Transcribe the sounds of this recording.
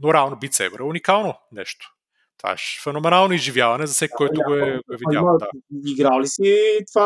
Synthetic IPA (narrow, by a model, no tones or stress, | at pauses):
noɾɛalˠnobit̪sɛ̰bɾɛunikalˠnonɛ̰ʃt̪o̥ | t̪va̰ʃfɛnomɛnalˠnoizʒivjavɐnɛzɐfsɛkʲkːɔjt̪ʊɡoɛɡoɛvid̪aad̪aiɡɾalisit̪va